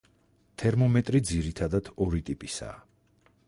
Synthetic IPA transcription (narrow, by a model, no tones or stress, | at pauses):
t̪ʰɛɾmɔmɛt̪ʼɾid̪ziɾit̪ʰad̪ad̪̥ɔɾit̪ʼipʼisa̰ː